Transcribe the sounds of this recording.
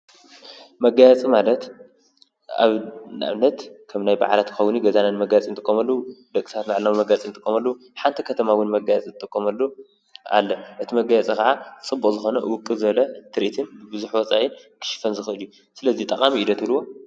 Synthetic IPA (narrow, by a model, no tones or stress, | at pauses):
mɐɡajat͡sʼimalɐt̪ | a̰βna̰βnɐt̪kʰɐmnajba̰ʕalat̪kɨ̥xɐwniɡɐzananmɐɡajt͡sʼint̪ʼɨkʼːomɐlːud̪ɐkʼi̥t̪ʰat̪maʕlnammɐɡat͡sʼint̪ʼɨ̥kʼːomɐlːɐu | ħant̪ʰikʰɐt̪ʰɐmawʊnmɐɡajat͡sʼit̪ʼɨkʼːomɐlːu | a̰lːɐʔɨt̪ʰimɐɡajat͡sʼɐkɐʕat͡sʼɨbːukʼzɨxo̞nɐwʊkʼːɨzɨβɐlɐt̪ʰɨɾʔit̪ʰɨnbɨbɨzuħwɔt͡sʼajɪnkʰɨ̥ʃɪ̥fɐnzɨxɨʔɨlju | sɨlɐzit̪ʼɐkʼamiid̪ɐt̪luwo